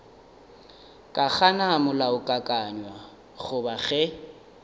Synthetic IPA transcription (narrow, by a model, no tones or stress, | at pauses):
kʼak͡xanamʊlaʊkʼakʼaɲwa | ɣʊbaɣɛ